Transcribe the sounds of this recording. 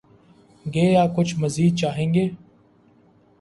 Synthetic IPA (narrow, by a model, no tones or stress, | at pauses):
ɡeːaːkʊt͡ʃʰməziːd̪̚t͡ʃaːɦẽːŋɡeː